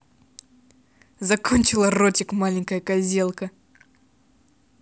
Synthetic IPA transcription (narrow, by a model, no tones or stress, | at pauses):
zɐkonʲt͡ɕɪlˠərotʲɪkmalʲɪŋʲkəjəkɐzʲelˠkə